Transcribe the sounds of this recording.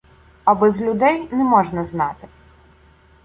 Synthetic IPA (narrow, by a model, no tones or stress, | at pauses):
ɐbɛzʲlʲʊd̪ɛjnɛmɔʒnɐznɑt̪ɪ